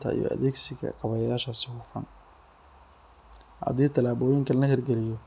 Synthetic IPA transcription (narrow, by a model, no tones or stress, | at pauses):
t̪ʰɐ̰ḭjɔ̰ʔɐ̰ðɛːɡsɪɣɐ̰qɑβɐjaːʃɐsɪhʊfɐ̰n | hɐ̰ðiːt̪ʰɐlaːβɔːjɪŋkʰɐlnɐhɛrɡɛlɪjɔ